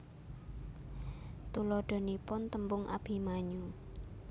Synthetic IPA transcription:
t̪ulɔɖ̪̥ɔ̤nipʊnt̪əmbʊŋʔa̰b̥i̤maɲu

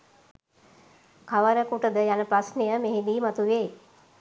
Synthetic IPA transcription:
kaʋəɾəkuʈəd̪əjanəpɾasnejəmeɦend̪iːmat̪uʋeː

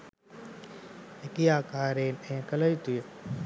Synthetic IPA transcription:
ekijaːkaːɾeːnɛ̃ːkələjt̪ujə

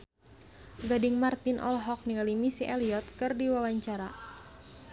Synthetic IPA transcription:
ɡadɪŋmart̪inʔɔ̰lɦɔk̚niŋalimisiʔɛliɔt̪̚kɨrdiwawaɲt͡ʃaɾa

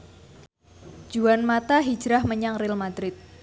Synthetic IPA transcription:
d͡ʒuanmat̪aɦid͡ʒɾahməɲaŋrɪlmad̪ɾɪt̪̚

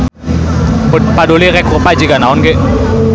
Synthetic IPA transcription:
padoleɣɛkropad͡ʒiɡanaɔnɡe

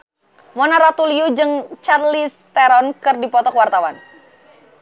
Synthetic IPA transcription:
mɔnaɾat̪uliud͡ʒɨŋt͡ʃarlist̪ɛɾɔnkɨrdipɔt̪ɔkwart̪awan

